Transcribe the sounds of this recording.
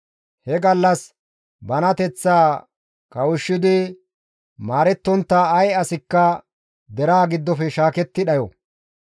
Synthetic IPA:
hɛɡɐlːɐs | bɐnɐt̪ɛt͡sːaː | kɐwʊʃːɪd̪ɪ | maːɾɛt̪ːɔnt̪ːaɐjɐsɪkːɐ | d̪ɛɾaːɡɪd̪ːɔfɛʃaːkɛt̪ːɪᶑɐjɔ

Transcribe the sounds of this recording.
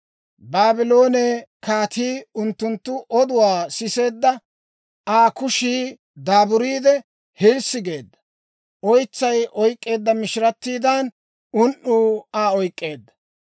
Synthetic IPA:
baːbɪlo̞ːnekaːt̪ʰiːʊnt̪ːʊnt̪ːʊʔɔd̪ʊwaːsɪse̞ːd̪ːɐ | aːkʊʃiː | d̪aːbʊɾiːd̪ɛ | hɪlsɪɡe̞ːd̪ːɐ̥ | ʔɔjt͡sːɐjʔɔjkʼːe̞ːd̪ːɐmɪʃɪɾɐt̪ːiːd̪aːn | ʊnʔuːaːɔjkʼːe̞ːd̪ːɐ

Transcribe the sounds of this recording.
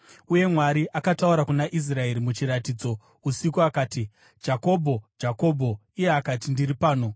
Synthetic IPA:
uje̞mwaɾiʔakatauɾakunaʔis̬rae̞ɾimut͡ʃiɾatiːd͡zo̞ | usikuakaːti | d͡ʒako̞bʱo̞d͡ʒako̞ːbʱo̞ | ijeakatindiripaːno̞

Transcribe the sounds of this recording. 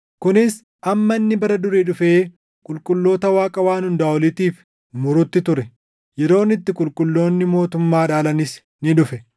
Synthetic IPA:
kʊnɪs | ʔɐmːɐɪnːɪbɐɾɐd̪ʊɾeːᶑʊfeː | kʼʊlkʼʊlːo̞ːt̪ɐwaːkʼɐwaːnhʊnd̪aːɔlɪt̪iːf | mʊɾʊt̪ːɪt̪ʊɾɛ | jɛɾo̞ːnɪt̪ːɪkʼʊlkʼʊlːo̞ːnːɪmo̞ːt̪ʊmːaːᶑaːlɐnɪs | nɪᶑʊfɛ

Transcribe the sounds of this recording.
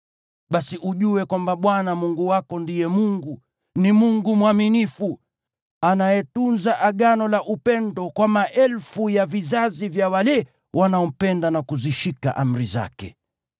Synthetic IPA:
ɓasiʔuʄuwɛkwambaɓwanamuŋɡuwakɔndijɛmuŋɡu | nimuŋɡumuwaminifu | anajɛtunzaʔaɠanɔlaʔupɛndɔkwamaʔɛlfujavizazivjawalɛ | wʔanaɔm̩pɛndanakuziʃika̰ʔam̩ɾiza̰kɛ̰

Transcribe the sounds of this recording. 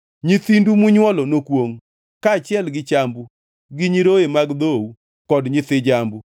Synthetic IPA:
ɲit̪indumʊɲwɔlɔnokwoŋ | kat͡ʃjɛlɡɪt͡ʃambu | ɡɪɲiɾoemaɡd̪owu | kɔdɲɪt̪ɪd͡ʒambu

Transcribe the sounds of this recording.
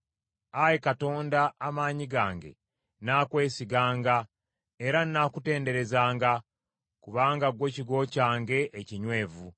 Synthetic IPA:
ajekato̞ːndaːmaːɲiɡaːŋɡe̞̰ | naːkwe̞ːsiɡaːŋɡa | eɾanːakute̞ːnde̞ɾe̞zaːŋɡa | kuβaːŋɡaɡwe̞ːciɡo̞caːŋɡe̞ʔeciɲwe̞ːvu

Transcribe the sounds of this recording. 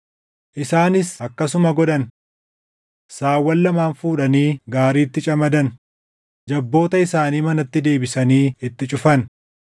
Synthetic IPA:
ʔɪsaːnɪsɐkːɐsʊmɐɡɔᶑɐn | saːwːɐlːɐmaːnfuːᶑɐniːɡaːɾiːt̪ːɪt͡ʃʼɐmɐd̪ɐn | d͡ʒɐbːo̞ːt̪ɐɪsaːniːmɐnɐt̪ːɪd̪e̞ːbɪsɐniːɪt̪ːɪt͡ʃʼʊfɐn

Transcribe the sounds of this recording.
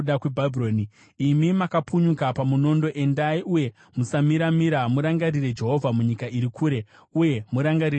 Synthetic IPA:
akwebʱabʱioni | imimakapuɲukapamuno̞ndo̞ʔe̞ndaiʔuje̞ | musamiɾamiɾamuɾaŋɡaɾiɾe̞d͡ʒe̞ɦo̞vʱamuɲikaʔiɾikʰuːɾe̞ | uje̞muɾaŋɡaɾi

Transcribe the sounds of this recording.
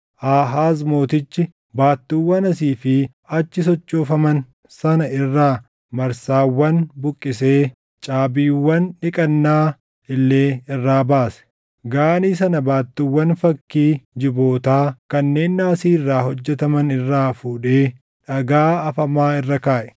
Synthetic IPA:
ʔaːɦaːzmo̞ːt̪ɪt͡ʃːɪ | baːt̪ːiːwːɐnɐsiːfɪ | ɐt͡ʃːɪsɔt͡ʃʼːoːfɐmɐn | sɐnɐɪrːaː | mɐɾsaːwːɐnbʊkʼːɪse̞ː | t͡ʃʼaːbiːwːɐnᶑɪkʼɐnːaː | ɪlːe̞ːɪrːaːbaːsɛ̥ | ɡaːniːs̬ɐnɐbaːt̪ːɪwːɐnfɐkːiːd͡ʒɪbo̞ːt̪aːkɐnːe̞ːnːaːsiːrːaːɦɔd͡ʒːɛt̪ɐmɐnɪrːaːfuːᶑe̞ː | ᶑɐɡaːɐfɐmaːɪrːɐkaːʔɛ̥

